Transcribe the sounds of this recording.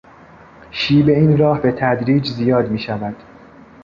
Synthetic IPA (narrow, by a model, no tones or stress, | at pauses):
ʃiːbe̞iːnɾɒːhbe̞t̪ʰæd̪ɾiːd͡ʒzijɒːd̪miːʃævæd̪̥